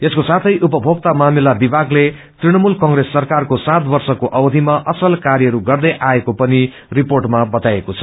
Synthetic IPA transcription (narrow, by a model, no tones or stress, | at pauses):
t̪eskosat̪ʰʌjʔupʌbʱoɡ̚t̪amamilabibʱaɡle | t̪riɽ̃ʌmulkʌŋɡresːʌrkarkosãt̪bʌrsʌkoʔʌbd̪ʱimaʔʌsʌlkarjʌɦʌɾuɡʌrd̪ʌjʔaekopʌni | riporʈmabʌt̪ajekot͡sʰʌ̥